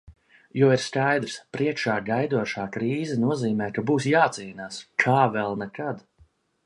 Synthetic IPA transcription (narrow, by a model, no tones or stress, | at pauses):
jɔːiɾskajd̪ɾspɾiɛkʃaːɡajd̪uɔʃaːkɾiːzɛnuɔziːmɛːkabuːsjaːt̪siːnaːskʰaːvɛlˠnɛkad̪